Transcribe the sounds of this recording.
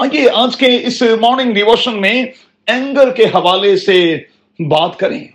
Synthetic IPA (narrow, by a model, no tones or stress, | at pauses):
aːjeːaːd͡ʒkeɪsmɔːɾnɪ̃ŋɡɖɪʋoːʃənmẽ | ɛ̃ːŋɡəɾkeɦɐʋaːlese | baːt̪kɐɾḛ̃ː